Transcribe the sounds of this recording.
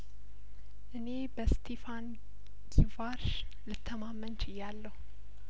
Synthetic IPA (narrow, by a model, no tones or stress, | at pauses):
ʔɨne̞bəst̪ʰefan | ɡivaɾʃ | lɨt̪ʰːəmamːənt͡ʃʰɪjːalːəhu